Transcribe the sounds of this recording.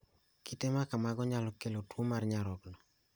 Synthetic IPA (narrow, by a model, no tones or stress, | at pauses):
kitemakamaɡɔɲalɔkelotwomarɲaɾɔknɔ